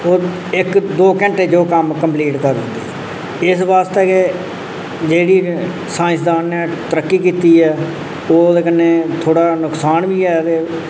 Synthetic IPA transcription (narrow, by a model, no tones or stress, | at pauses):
oː | ɪkd̪oːkɛ̃ɳʈeːd͡ʒoːkəmkəmpliːʈkəɾɦʊ̃nd̪ḛː | ɪsʋaːst̪eːke | d͡ʒeːɽiː | sãːɪ̃sd̪aːnːɛːt̪əɾəkːiːkiːt̪iːɛː | oːd̪eːkənːeːt̪ʰoːɽaːnʊksaːnbiːɛːt̪eː